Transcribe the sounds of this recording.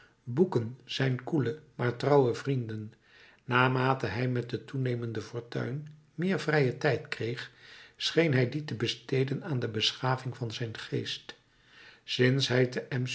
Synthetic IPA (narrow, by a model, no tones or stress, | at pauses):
bukənz̥ɛjnkuləmaːɹtrɑwəvrindənː | aːmaːtəɦɛjmɛt̚dətunejməndəfʊːɹtœ̰ɥn | mɪːɹvrɛjətɛjtkrejχsχejnɦɛjditəbəstejdənaːndəbəsχaːvɪŋvɑnzɛjnχejst | sɪnsɦɛjtəʔɛm